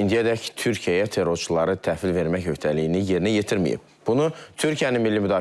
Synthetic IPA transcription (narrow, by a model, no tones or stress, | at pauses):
ind̪ijæd̪æct̪ʰyɾcʰijæjæt̪ʰe̞ɾo̞ɾt͡ʃʰulˠɑɾɯt̪ʰæfilve̞ɾmæçhø̞çt̪ʰælijinije̞ɾinije̞t̪ʰiɾmḭjḭb̚ | b̥unut̪ʰyɾcʰijæninmilːimyd̪ɑː